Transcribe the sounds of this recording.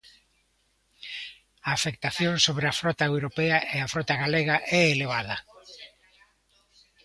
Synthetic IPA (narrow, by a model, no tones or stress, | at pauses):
aːfek̚t̪aθjoŋsoβɾɪɐfɾɔt̪aewɾopɛɐʔeafɾɔt̪aɣaleɣɐʔɛeleβaðɐ